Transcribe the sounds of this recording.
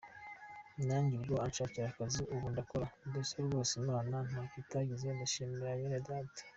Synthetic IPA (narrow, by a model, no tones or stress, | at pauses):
naɲɡiɾiɾoant͡ʃaciɾakaziʔuβundakoɾadosoɡoːsenanan̥akitaɡizendaʃimeɾajeɾadatḁ